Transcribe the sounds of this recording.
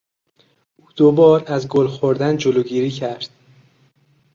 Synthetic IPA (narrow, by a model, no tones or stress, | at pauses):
ʔuːd̪̥obɒːɾæzɡolxoɾd̪ænd͡ʒoloːɡiːɾiːcʰæɾd̪̥